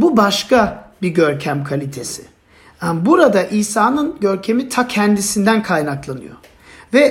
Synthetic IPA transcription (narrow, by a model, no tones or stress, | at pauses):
bubaʃkabiɟøɾcʰæmkʰalʲit̪ʰe̞si | anbuɾad̪aʔiːsaːnɯnɟøɾcʰe̞mit̪ʰacʰɛnd̪isind̪ænkʰajnaklˠanɯ̰jo̰ | vɛ